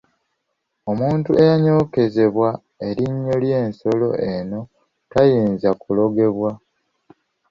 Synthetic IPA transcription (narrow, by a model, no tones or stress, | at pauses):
o̞muːntue̞jaɲo̞ːke̞ze̞βwa | e̞ɾiɲːo̞lje̞ːnso̞lo̞̰ʔeno̞ | tajiːnzakulo̞ɡe̞βwa